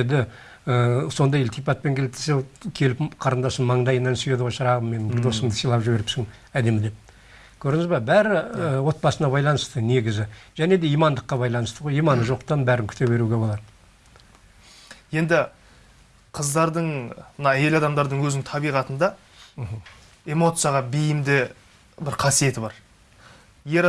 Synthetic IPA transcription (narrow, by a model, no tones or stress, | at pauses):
ed̪ɪ | əso̞nd̪ɑjɪlt̪ʰipɑt̪̚pe̞ŋkʲʰelɪt̪esekʲʰe̞lɪpqʰɑɾənd̪ɑsənmɑɴd̪ɑjənːɑnsyje̞d̪əʁojʃəɾɑʁəmme̞nɪbɪɾd̪o̞səmd̪əsijlˠɑpʒɪbe̞ɾɪpsɪŋ | æd̪e̞mɪd̪e̞p̚ | kʲʰɵɾɪŋɪzbɑbæɾɪəwo̞t̪̚bɑsənɑbɑjlˠɑnəst̪əne̞ɡʲɪzɪʒ̥æne̞d̪e̞ijmɑnd̪əqːɑbɑjlˠɑnəst̪əʁo̞jijmɑnəʒo̞qt̪ɑnbæɾɪŋkʲʰʏ̥t̪ebe̞ɾuɡʲe̞bo̞lˠɑd̪ə | je̞nd̪ɪ | qʰəzd̪ɑɾd̪əɴmənɑe̞lɑd̪ɑmd̪ɑɾd̪əɴwɵznɪŋt̪ʰɑbijʁɑt̪ənd̪ɑ | m̩ɦ̩ | e̞mo̞t̪sɨjɑʁɑbejɪmd̪ɪ | bɪɾqʰɑsije̞t̪ɪbɑɾ | je̞ɾ